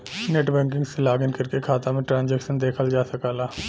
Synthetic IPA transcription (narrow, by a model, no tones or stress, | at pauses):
neːʈbɛ̃ːŋk̬ɪ̃ŋɡselaːɡənkɐɾkekʰaːt̪ãmẽʈɾãːnd͡ʒɛːkʃənd̪eːkʰəld͡ʒaːsɐkaːlaː